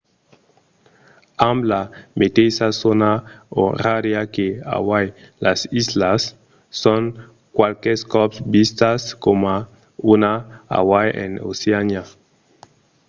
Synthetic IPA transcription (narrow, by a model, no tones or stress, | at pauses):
amblamet̪ejsasonao̰radjakea̰wajlʔasizlasː | oŋ | kwalkɛskɔpsbist̪askoma | unaa̰wajʔḛno̰seana